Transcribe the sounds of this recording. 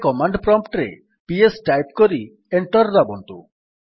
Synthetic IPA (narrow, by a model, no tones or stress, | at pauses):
kɔmaɳɖpɾɔmpʈɾḛ | piesʈajp̚koɾi | eɳʈɔɾdabɔnt̪u